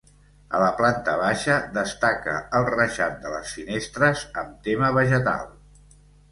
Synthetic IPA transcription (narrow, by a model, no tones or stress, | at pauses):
ə̰ləplant̪əβaʃəd̪əst̪akə̰əlˠrəʒat̪̚d̪ələ̰sfinest̪ɾəzəmt̪eməβəʒət̪a̰lˠ